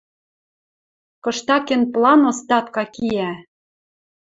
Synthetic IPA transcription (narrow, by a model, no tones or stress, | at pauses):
kɤ̆ʃt̪ɑkĕnplɑnost̪ɑt̪kɑkijæ